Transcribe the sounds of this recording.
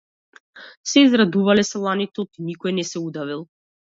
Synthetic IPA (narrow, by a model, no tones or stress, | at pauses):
sɛizɾad̪uvalɛsɛlˠanit̪ot̪inikɔɛnɛsɛud̪avilˠ